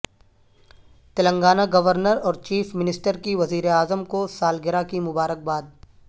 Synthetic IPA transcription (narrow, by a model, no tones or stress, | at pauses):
t̪ɐlə̃ŋɡaːnaɡɐʋəɾnəɾɔːɾt͡ʃiːfmɪnɪsʈəɾkiʋɐziːɾeaːzəmkosaːlɡɪɾakimʊbaːɾək̚baːd̪̚